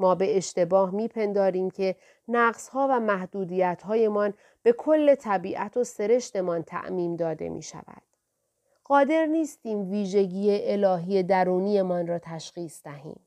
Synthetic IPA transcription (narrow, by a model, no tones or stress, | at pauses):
mɒːbe̞eʃt̪e̞bɒːhmiːpʰe̞nd̪ɒːɾiːmcʰe̞ | næɣz̥hɒːvæmæhd̪uːd̪iːjæt̪ʰhɒːje̞mɒn | b̥e̞kʰo̞lːe̞t̪ʰæbiːʔæt̪ʰo̞se̞ɾe̞ʃt̪e̞mɒnt̪ʰæ̰ʔmiːmd̪ɒːd̪ḛmʔḭːʃæ̰væ̰d̪̥ | ɢɒːd̪e̞ɾniːst̪iːmviːʒe̞ɟiːjeʔelɒːɦiːje̞d̪æɾuːnije̞mɒnrɒːt̪ʰæʃɣiːsd̪̥æɦḭːm